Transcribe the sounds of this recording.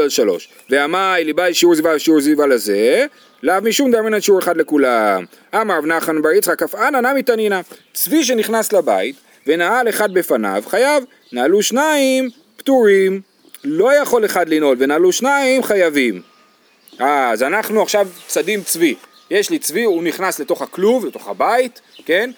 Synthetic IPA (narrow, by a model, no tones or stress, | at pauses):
alʃalo̞̰ʃ | veamajlibajʃiuɾzivalʃiuɾzivalaze | lavmiʃumd̪amenaʃiuɾeχadle̞kulam | amaɾavnaχanbaɾit͡sχakafananamit̪anina | t͡sviʃ̬e̞niχnaslaba̰it̪ | ve̞naale̞χad̪̚be̞fana̰vχajav | naːluʃnaim | pt̪uʁim | lo̞jaχo̞le̞χad̪lino̞lve̞naːluʃnaimχajavim | ʔazanaχnuaχʃavt͡sadimt͡svi | jeʃlit͡sviuniχnasle̞to̞χakluvlet̪o̞χa̰bait̪ke̞n